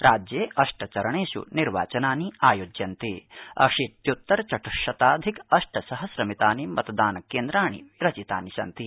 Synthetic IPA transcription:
ɾaːd͡ʒjeːʔɐʂʈɐt͡ʃɐɾɐɳeːʃṵniɾʋa̰ːt͡ʃɐnaːniaːjoːd͡ʒjɐnt̪iɐ̰kʂit̪jut̪ːɐɾt͡ʃɐʈuʃɐt̪aːd̪ʱikɐʂʈɐsɐɦɐsɾɐmit̪aːnimɐt̪ɐd̪aːnɐkːeːnd̪ɾaːɳḭɾɐt͡ʃit̪a̰ːniʃɐ̰nt̪i

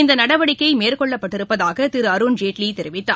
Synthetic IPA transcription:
ɪnd̪ɐnɐɽɐʋɐɽɪkːɐɪmeːɾkɔɭːɐpːɐʈːɪɾɯpːɐðaːɣɐt̪ɪɾɯɐɾund͡ʒeːʈlit̪ɛɾɯʋɪt̪ːa̰ː

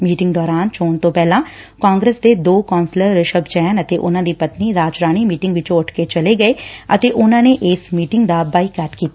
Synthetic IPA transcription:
miːʈɪ̃ŋɡd̪ɔːɾaːnt͡ʃoːnt̪õːpɛːlãː | kãːŋɡɾəsd̪eːd̪oːkãːnsləɾɾəʃəbt͡ʃɛːnət̪eːʔʊnãːd̪iːpət̪niːɾaːd͡ʒɾaːɽ̃iːmiːʈɪ̃ŋɡʋɪt͡ʃõːəʈʰket͡ʃəleːɡəeːət̪eːʔʊnãːneːʔɪsmiːʈɪŋɡd̪aːbaːikaːʈkiːt̪a

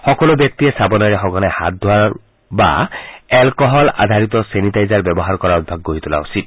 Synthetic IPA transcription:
xɔkɔlobjɔk̚t̪iɛsabɔnaɹɛxɔɡɔnajha̰t̪̚d̪ʱwaɹ | ba̰ɛlkɔɦɔla̰d̪ʱaɹit̪ɔsenitajzaɹbɔbɔɦaɹkɔɹaud̪̚bʱaɡːoɹit̪ula̰usit̪̚

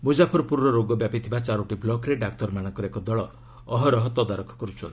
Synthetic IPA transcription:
mud͡ʒapʰɔɾɔpuɾnɔɾoɡɔbjapit̪ʰibat͡ʃaɾoʈiblɔkɾeɖak̚t̪ɔɾmañɔŋkɔɾekɔd̪ɔɭɔː | ɦɔɾɔɦɔt̪ɔd̪aɾɔkʰɔ̥kɔɾut͡ʃʰɔ

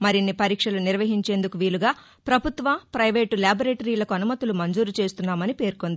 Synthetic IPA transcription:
mɐɾinːipɐɾiːkʂɐluniɾʋɐɦiɲt͡ʃe̞ːnd̪ukuʋiːluɡaː | pɾɐbʱut̪ʋɐmpɾɐjʋe̞ːʈuljaːboɾeːʈɐɾiːlɐkuɐnumɐt̪ulumɐɲd͡ʒuːɾut͡ʃe̞ːst̪unːaːmɐnipe̞ːɾkond̪i

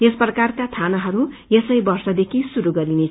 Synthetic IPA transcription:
esprʌkarkat̪ʰanaɦʌɾujesʌjbʌrsʌd̪ekʰisuɾuɡʌɾine

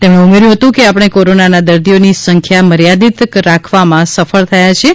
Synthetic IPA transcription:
t̪emɽeumeɾjũɦət̪ũkeapəɽ̃ekoɾonanad̪əɾd̪ionisəŋkʰjaməɾjad̪it̪ɾakʰʋamãsəfəɭt̪ʰəjat͡ʃʰe

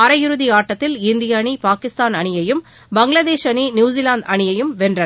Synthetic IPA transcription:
ɐɾɐjɪɾɯðiaːʈːɐt̪ːɪlɪnd̪ɪjɐɳipaːkɪst̪aːnɐɳɪjɐjɯm | bɐŋɡɪlɐðeːʃɐninjuːzɪlaːnd̪ɐɳɪjɐjɯmʋɛndrɐ

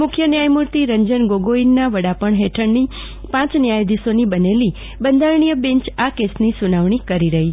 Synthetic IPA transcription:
mʊkʰjənjajmuɾt̪iɾəɲd͡ʒənɡoɡoinːaʋəɽapəɳɦeʈʰəɾni | pãt͡ʃnjajd̪isonibəneli | bənd̪ʱaɾɳijəbẽɲt͡ʃakesnisunaʋɳ̃ikəɾiɾəɦi

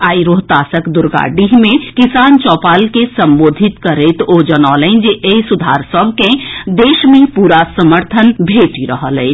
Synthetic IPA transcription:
aːiɾoɦt̪aːsəkd̪ʊɾɡa̰ːɖiɦmẽkɪsaːnt͡ʃɔːpaːlkesəmboːd̪ʱit̪kəɾet̪od͡ʒənɔːlə̃nd͡ʒeʔesud̪ʱaːɾsəbkẽd̪eːʃmẽpuːɾasəməɾt̪ʰənbʱeːʈiɾəɦəlɛːt͡ʃʰ

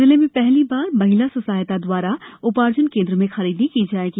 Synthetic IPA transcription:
ɪlẽmẽpɛɦlibaːɾmɐɦɪlasɐsaːjt̪ad̪waːɾaʊpaːɾd͡ʒənkẽːnd̪ɾəmẽxɐɾiːd̪nikid͡ʒaːeːɡi

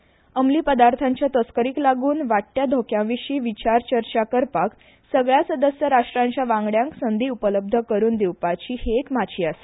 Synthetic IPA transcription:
əmliːpəd̪aɾt̪ʰaɲt͡ɕjat̪əskəɾiːklaɡuːnʋaʈːjad̪ʱokjãʋiɕiːʋit͡ɕaɾt͡ɕəɾt͡ɕakəɾpak | səɡɭjasəd̪əsjəɾaʂʈɾãɲt͡ɕjaʋãŋɡɽjãŋksənd̪ʱiːupələb̚d̪ʱəkəɾuːnd̪iwpat͡ɕiːhekmat͡ɕiːas

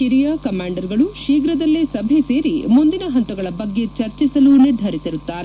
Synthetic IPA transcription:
iɾijaːkɐmaːɳɖɐɾɡɐɭuʃiːɡɾɐd̪ɐlːisɐbʱese̞ːɾimund̪inɐɦɐɳt̪ɐɡɐɭɐbɐɡːe̞t͡ʃɐɾt͡ʃisɐluniɾd̪ʱɐɾisiɾut̪ːaːɾe

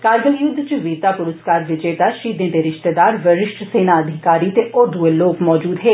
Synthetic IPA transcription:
kaːɾɡəljʊd̪ʱːt͡ʃəʋiːɾt̪aːpʊɾʊskaːɾʋɪd͡ʒeːt̪aːʃiːd̪ẽːd̪eːɾɪʃt̪ed̪aːɾʋəɾɪʃʈʰseːnaːəd̪ʱɪkaːɾiːt̪eːʔoːd̪ueloːkmɔːd͡ʒuːd̪ɦeː

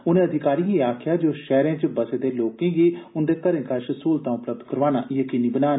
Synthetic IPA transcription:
ʊnẽːəd̪ɪkaːɾiːɦiːaːkʰjaːd͡ʒoːʃɛːɾẽːt͡ʃəbəseːd̪eːloːkẽːɡiːʊnd̪eːkəɾẽːkaʃəsuːlt̪ãːʊpləb̚d̪kəɾʋaːnaːʔɪeːkɪniːbənaːn

